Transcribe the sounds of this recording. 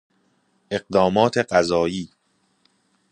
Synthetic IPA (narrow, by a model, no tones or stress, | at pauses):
e̞ɢd̪ɒːmɒːt̪ʰe̞ɢæzɒːjiː